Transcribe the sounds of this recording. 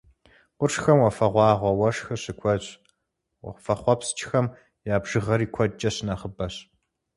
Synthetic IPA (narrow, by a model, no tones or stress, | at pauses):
qʷʊʂxɐmwɐfɐʁʷɑːʁʷɐwɐʂxɐɕɪkʷʰɔɕʼ | wɐ̰fɐχʷɔpst͡ʃʰʼxɐm | jaːbʒ̥ɨʁɐɾiːkʷʰɔt͡ʃʼɐɕnaːχəbɐɕ